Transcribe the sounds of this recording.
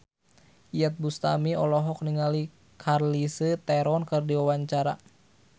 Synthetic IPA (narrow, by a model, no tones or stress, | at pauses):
ijət̪̚bust̪amiɔlɔɦɔk̚niŋali | kʰarlisət̪ɛɾɔnkɨrdiwawaɲt͡ʃaɾa̰